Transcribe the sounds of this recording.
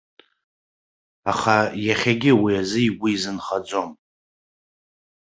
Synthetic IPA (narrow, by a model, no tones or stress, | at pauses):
aχajaχʲaɡʲɪwiazɨiɡʷiːzɨnχad͡zʷo̞m